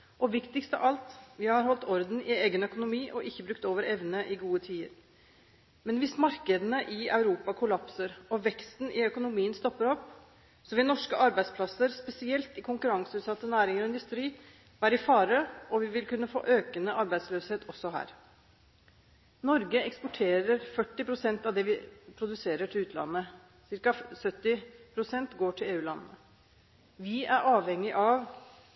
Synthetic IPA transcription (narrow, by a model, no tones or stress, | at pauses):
ʔɔʋɪkt̪ɪkst̪ɑ̰ʔɑlt̪ʋɪɑɾɦɔlt̪ɔɾd̪n̩ɪeːɡənœkʊnʊmiːʔɔʔɪçːəbɾʉkt̪oːʋəɾɛʋnəʔɪɡuːət̪ʰiːəɾ | mɛnʋɪsmɑɾkəd̪ənəʔɪɑʉɾuːpɑkʰʊlɑpsəɾɔʋɛkst̪nʔɪœkʊnʊmiːənst̪ɔpːəɾɔpː | sɔʋɪlnɔʂkəʔɑɾbæɪd̪spʰlɑsəɾspɛsɪɛlt̪ɪkʰʊŋkʉɾɑŋsəʉːt̪sɑt̪ːənæːɾɪŋəɾɔɪnd̪ʉst̪ɾiː | ʋæːɾɪfɑːɾəʔɔʋɪʋɪlkʉnːəfo̰ːʔøːkənəʔɑɾbæɪsløːsheːt̪ɔsːɔɦæ̰ːɾ | nɔɾɡəɛkspɔʈʰeːɾəɾfœʈːɪpɾʊsɛnt̪ɑʋd̪ɛʋɪpʰɾʊd̪ʉseːɾəʈʰɪlʉːt̪lɑ̰nːə | sɪɾkɑsœt̪ːɪpʰɾʊsɛnt̪ɡoːʈʰɪleːʉːlɑ̰nːə | ʋɪæɾʔɑːʋhɛŋːɪʔɑʋ